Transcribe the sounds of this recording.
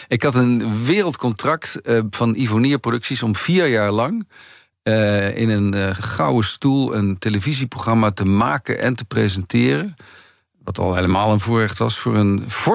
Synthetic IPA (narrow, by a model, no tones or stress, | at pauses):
ɪkhɑtənʋɪːrəlˠtkɔntrɑktv̥ɑnivoniːprodɵksisɔmv̥iːɹjaːɹlɑŋ | ʔɪ̰nənχɑ̰wəstulˠə̰nteləviziproχrɑmatəmaːkə̰nʔɛ̰ntəprezɛntɪːrən | ʋɑtɑ̰lˠɦeləmaːlˠənvʊːɹrɛχtʋɑ̰sfʊːɾənv̥ɔ